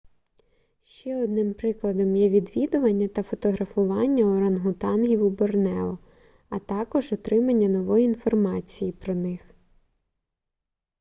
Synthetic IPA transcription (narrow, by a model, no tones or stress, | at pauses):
ʃt͡ʃɛɔd̪nɪmpɾɪklˠɐd̪ɔmjɛʋʲid̪ʋʲid̪ʊʋɐnʲːɐt̪ɐfɔt̪ɔɦɾɐfʊʋɑnʲːɐɔɾɐnɦʊt̪ɑnɦʲiwubɔrnɛɔ | ɐt̪ɑkɔʒɔt̪ɾɪmɐnʲːɐnɔʋɔjiinfɔrmɑt͡sʲijipɾɔnɪx